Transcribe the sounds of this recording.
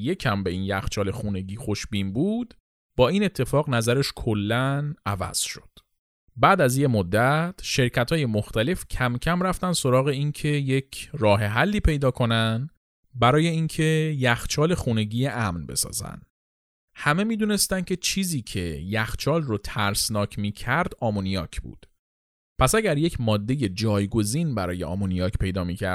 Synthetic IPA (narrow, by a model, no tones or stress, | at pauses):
je̞cʰæmbe̞injæxt͡ʃʰɒːle̞xuːne̞ɟiːxo̞ʃbiːnbuːd̪̥ | bɒːiːne̞t̪ʰːe̞fɒːɣnæzæɾeʃkʰolːænævæ̰z̥ʃo̞d̪̥ | bæːd̪æzje̞mod̪ːæt̪ʰʃe̞ɾcʰæt̪hɒːje̞moxt̪æle̞fcʰæmcʰæmɾæft̪æn̥so̞ɾɒːɣe̞incʰe̞je̞cʰrɒːɦe̞ɦælːiːpʰe̞jd̪ɒːkʰo̞nænd̪ | bæɾɒːje̞incʰe̞jæxt͡ʃʰɒːle̞xune̞ɟiːjeʔæmnbe̞̰sɒ̰ːzæ̰nd̪ | hæme̞miːd̪une̞st̪æncʲʰe̞t͡ʃʰiːziːcʰe̞jæxt͡ʃʰɒːlrot̪ʰæɾsnɒːcʰmiːcʰæɾd̪ɒːmonijɒ̰ːcʰb̥ṵːd̪̥ | pʰæsæɟæɾje̞cʰmɒːd̪ːe̞je̞d͡ʒɒːjɡo̞ziːnbæɾɒ̰ːjeɒ̰ːmonijɒːcpʰe̞jd̪ɒːmiːcʰæ̰